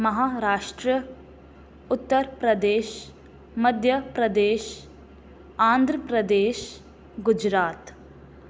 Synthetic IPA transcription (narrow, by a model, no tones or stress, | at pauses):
mɐɦaːɾaːʂʈɾə | ʊt̪ːəɾpɾɐd̪eːʃ | mɐd̪ʱjɐpɾɐd̪eːʃ | aːnd̪ʱɾəpɾɐd̪eːʃ | ɡʊd͡ʒɾaːt̪